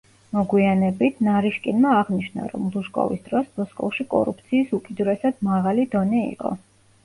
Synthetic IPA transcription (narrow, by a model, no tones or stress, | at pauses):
mɔɡwianɛbit̪ʰnaɾiʃkʼinmaːʁniʃna̰ɾɔ̰mlˠuʃkʼɔ̰vḭsd̪ɾɔsbɔskʼɔ̰fʃikʼɔ̰ɾṵp̚ʰt̪sʰiːsukʼid̪uɾɛsad̪maʁalid̪ɔnɛḭqʼɔ̰